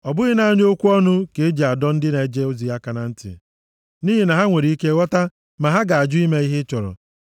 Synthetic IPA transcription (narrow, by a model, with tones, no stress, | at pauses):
ɔ˨bʊ˦ɣɪ˦na˨a˦ɲo˦kʷu˦ɔ˦nʊ˦ke˨e˦d͡ʒi˨a˨dɔ˦n̩˦dɪ˦ne˨˦d͡ʒe˦o˦zi˨a˦ka˨na˨n̩˦tɪ̰˨ | ni˦ɦi˨na˨ɦa˦ŋʷe˨ɾi˨˦i˦ke˦wɔ˦ta˦ | ma˨ɦa˦ɡa˨a˨d͡ʒʊ˦i˦me˦i˦ɦɪ˦t͡ʃɔ˨ɾɔ̰˨